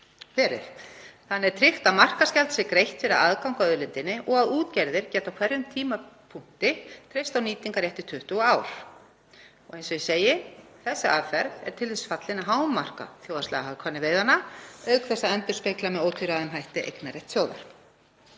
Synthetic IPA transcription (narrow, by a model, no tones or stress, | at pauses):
fɛːɾɪ̰θθanːɛɾt̪ʰɾɪht̪amar̥kascɛlt̪sɪkɾejht̪fɪɾɪðaðkawŋ̥kaœðʏlɪnt̪ɪnːɪʔɔɣaðuːt̪cɛɾðɪɾcɛːt̪awkʰv̥ɛɾjʏmt̪ʰiːmapʰuŋ̥t̪ɪt̪ʰɾejst̪awniːt̪iŋkaɾjeht̪ɪ̥t̪ʰʏht̪uaːwɾ̥ | ɔɣejnsɔjɪseːjɪθɛsːaʔaðfɛɾðɛ̰ɾ̥t̪ʰɪlvɛsɪ̥fat̪lɪnaɦaːwmːar̥ka̰θjoːwðast̪lɛ̰ɣaɦaðkʰvanːɪveːjðanaœɥkθɛsaɛnt̪ʏ̥spejklamɛðowt̪ʰiɾaðʏmɦajht̪ɪʔḛjknaɾɛht̪sjowða̰ɾ̥